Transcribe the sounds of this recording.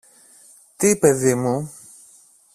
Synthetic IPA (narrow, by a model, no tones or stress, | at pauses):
t̪ipe̞ðimu